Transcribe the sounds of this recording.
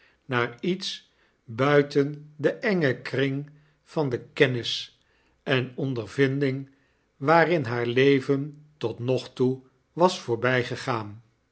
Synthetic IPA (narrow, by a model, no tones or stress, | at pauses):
naːɹits | bœɥtəndəʔɛŋəkrɪŋ | v̥ɑndəkɛnɪs | ɛnɔndəɹvɪndɪŋ | ʋaːɾɪnɦaːɹlejvəntɔtnɔχtu | ʋɑsfʊːɹbɛjχəχaːn